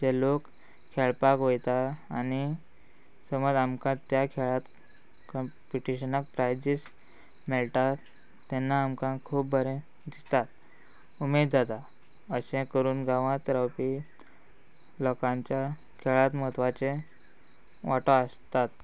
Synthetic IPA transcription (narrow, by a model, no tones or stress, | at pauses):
d͡ʑelok | kʰːeɭpakojt̪aːni | səməd͡zamkãt̪ːjakʰeɭat̪ | kɔmpjuʈiɕənək̚pɾajd͡ʑis | mɛɭʈ̪at̪ː | ɛnːaːmkãkʰuːpbʱəɾẽ | d̪ist̪at̪̚ | umed̪̚d͡zat̪a | əsẽkəɾuːnɡãʋãt̪ɾawpi | lɔkãɲt͡ɕja | kʰeɭat̪mət̪ʋat͡ɕe | ʋaʈoəst̪at̪